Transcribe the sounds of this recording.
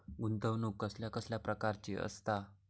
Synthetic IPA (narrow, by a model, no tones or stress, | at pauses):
und̪ʱəʋnukːəsljakəsljapɾəkaɾt͡ɕiə̰st̪a